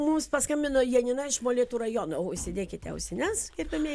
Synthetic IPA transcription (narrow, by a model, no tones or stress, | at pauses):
mumspɐskɐmʲbʲɪnoːjiɛnʲɪnɐɪʃmoːlʲeːt̪uːrɐjoːnooːɪʃʲsʲɪd̪ʲeːkʲɪt̪ʲɛɐ̰ʊsʲɪnʲɛsɡʲɪrʲbʲɪmʲeː